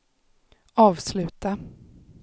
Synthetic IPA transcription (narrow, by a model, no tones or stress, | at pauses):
ɑːvslʉ̟ːt̪a